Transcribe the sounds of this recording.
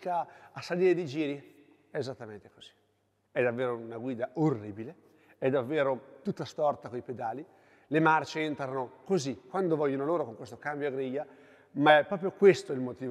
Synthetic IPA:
kaːsːaliːɾed̪id͡ʒiːɾi | ɛːzat̪ːament̪e̥ko̥z̥i̥ | ɛd̪avːeːɾounaɡwiːd̪aorːiːbile | ɛd̪ːavːeːɾot̪ut̪ːast̪ɔrt̪akoiped̪aːli | lemart͡ʃeɛnt̪ɾanokozikwand̪ovɔʎːonoloːɾokoŋkwest̪okambjoaɡɾiʎːa | maɛpːɾɔpɾjokwest̪oɛilmot̪iːv

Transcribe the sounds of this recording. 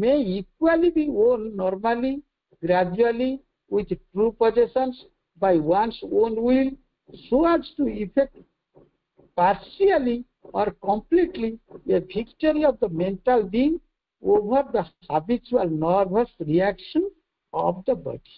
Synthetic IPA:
meikwalibioːnːɔːɾmali | ɡɾad͡ʒuali | wid̪ʈɾupɔd͡ʒesə̃ns | bajwansõːnwil | soæd͡ʒʈuifʰek̚ʈ | paɾʃiali | ɔːɾkɔ̃mpliʈliepikt͡ʃəɾiɔfd̪əmẽɳʈalbiŋ | oʋəɾd̪əhabit͡ʃuəlnɔɾbəsɾiækʃən | ɔ̰bd̪əbɔ̰ɖi

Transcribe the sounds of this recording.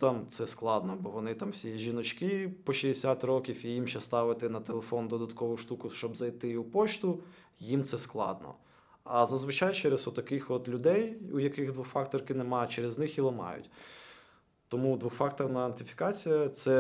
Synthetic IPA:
t̪ɑmt̪sɛsklˠɑd̪nɔbɔʋɔnɪt̪ɑmwsʲijɛʒʲinɔt͡ʃkɪpɔʃiesʲat̪rɔkʲifijimʃɛst̪ɑʋɪt̪ɪnɐt̪elˠefɔnd̪ɔd̪ɐt̪kɔʋʊʃt̪ukʊʃt͡ʃɔbzɐjt̪ɪupɔt͡ʃt̪ʊ | jimt̪sɛsklˠɑ̰d̪nɔ̰ | ɐzɐzʋɪt͡ʃɑjt͡ʃɛɾezɔt̪ːɐkɪxɔt̪lʲʊd̪ɛjujɐkɪɣd̪ʋʊxfɑkt̪ɔrkɪnemɑt͡ʃeɾeznɪxilˠɐmɑ̰jʊ̰tʲ | t̪ɔmud̪ʋuxfɑk̚t̪ɔrnɐɐnt̪lʲɪfʲi̥kɑt͡sʲijɐt̪sɛ

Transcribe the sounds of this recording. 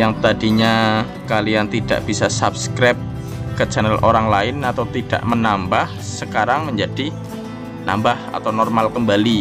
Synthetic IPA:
jaŋt̪adiɲa | kalijant̪ida̰ʔb̥isasap̚skɾɛp̚ | kət͡ʃanɛlʔoɾaŋlaɪnat̪awt̪id̥a̰ʔmənambahsəkaɾaŋməɲd͡ʒad̥i | na̰mbaha̰t̪awnɔrmalkəmbali

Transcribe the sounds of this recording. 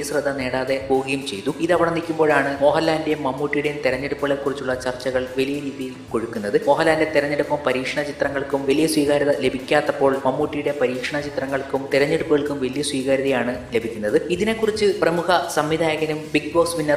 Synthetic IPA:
ɐsrɐd̪ʱːɐne̞ːɽaːðe̞poːɡɐjumt͡ɕe̞jt̪uiðɐʋiɽɐnikʲːumbo̞ːɭaːɳɨmo̞ːhɐlːaːndemːɐmːuːʈːijuɽejumt̪iɾɐɲːeɽupːɐɣɭekːurit͡ɕːuɭːɐt͡ɕɐrt͡ɕːɐɣɐɭʋɐlijɐɾiːðijilko̞ɻukːunːɐðɨmo̞ːɦɐlːaːnde̞t̪iɾɐɲːeɽupːɐmpɐɾiːkʂɐɳɐt͡ɕit̪rɐŋːɐɭkumʋɐlijɐswʋiːɣaːɾiðɐle̞bʱikʲːaːt̪ːɐpːo̞ːɭmɐmːuːʈːijuɽe̞pɐɾiːkʂɐɳɐt͡ɕit̪rɐŋːɐɭkumt̪iɾɐɲːeɽupːɨɣɐɭkumʋɐlijɐswiːɣaːɾiðɐjaːɳɨle̞bʱikʲːunːɐðɨiðine̞kːurit͡ɕːɨprɐmukʰɐsɐmʋid̪ʱaːjɐɣɐnumbikbo̞ːksʋinːɐr

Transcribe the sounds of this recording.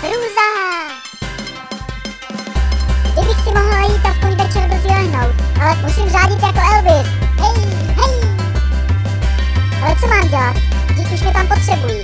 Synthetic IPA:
ɾuːza | ɡdɪbɪxsɪmoɦlajiːt̪ːak̚pojvɛt͡ʃɛɾbzilɛɦnowt̪ʔalɛmusiːmzaːɟɪt̪jakoɛlvɪsɦɛj | ɦɛj | ʔalɛt͡somaːmɟɛlat̪ | dɪkʔuʃmɛt̪ampot̪r̥ɛbuji

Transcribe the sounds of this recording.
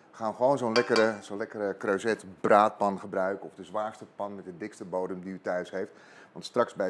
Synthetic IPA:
əχaːʋəχəʋownzownlɛkərəzonlɛkəɾəkrøɥzɛtbraːt̚pɑnχəbrœɥkənɔvdəzʋaːɹstəpɑnmɛt̚dədɪkstəbowdəmdiytœɥsɦejft | ʋɑ̰ntstrɑksbɛ

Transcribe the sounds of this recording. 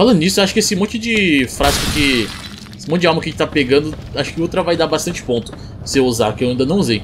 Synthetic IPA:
falɐ̃nd̪ʊnisʊewaʃʊ̥kɪesɪmõt͡ʃɪd͡ʒɪfɾazkʊkɪ | esɪmõt̪ʊd͡ʒawmɐ̃kɐʒẽt͡ʃt̪apeɡɐ̃nd̪ʊ | aʃʊ̥kɪot̪ɾɐvajd̪aɾbast̪ɐ̃nt͡ʃɪ̥põnt̪ʊ̥ | seuza̰ɾkɪewaĩd̪ɐnɐ̃w̃uzej

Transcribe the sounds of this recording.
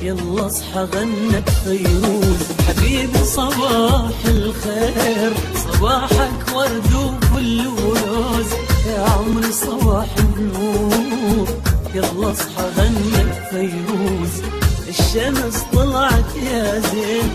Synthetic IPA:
jɑlːɑsˤħɑɣanːakfajɾuːzħabiːbisˤɑbɑːħɪlxeːɾsˤɑbɑːħɑkwɑɾˤd̪ufʊlːwloːzjaʕʊmɾisˤɑbɑːħɪnnuːɾjɑlːɑsˤħɑɣanːakfajɾuːz | ʔɪʃːamst̪ˤɨlɑʕt̪jaːzeːn

